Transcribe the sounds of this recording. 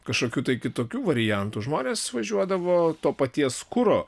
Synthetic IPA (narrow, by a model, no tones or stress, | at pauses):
kɐʃkoːkʲuːt̪ɐɪkʲɪt̪oːkʲuːʋɐɾʲɪjænt̪uːʒmoːnʲeːsʋɐʒʲuɔd̪ɐʋoːt̪oːpɐt̪ʲiɛskʊɾoː